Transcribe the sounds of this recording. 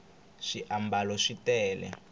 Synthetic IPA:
ʂiʔambalɔʂitɛːlɛ̰

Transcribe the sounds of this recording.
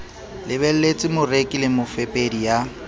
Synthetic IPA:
lɪbɛl̩let͡sʼɪmʊrekʼɪlɪmʊfepʼedija

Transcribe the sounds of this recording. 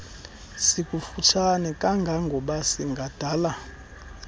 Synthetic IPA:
sikʼufutʰanɛkʼaŋɡʱaŋɡʱɔɓasiŋɡʱad̥ʱala

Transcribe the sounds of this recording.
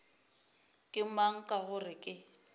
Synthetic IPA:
kʼɪmaŋ̩kʼaɣʊrɪkʼɪ

